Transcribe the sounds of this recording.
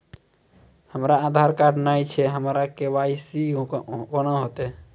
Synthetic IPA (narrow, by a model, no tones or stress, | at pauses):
həmɾaːd̪ʱaɾkaɖnait͡ʃʰeɦəmɾakeʋaisikonaɦot̪e